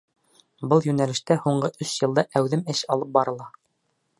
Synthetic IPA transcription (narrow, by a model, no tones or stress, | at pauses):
bɤlˠjʉnælɘ̆ʃt̪æhuɴɢɤʔɵsjɤ̆lˠd̪ɑʔæwðɘmɘʃɑlˠɤp̚bɑɾɤ̆lˠɑ